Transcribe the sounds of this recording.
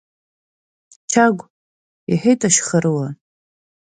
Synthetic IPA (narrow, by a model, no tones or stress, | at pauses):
t͡ʃʰaɡʷ | iħejtʼaʃχəɾɨwa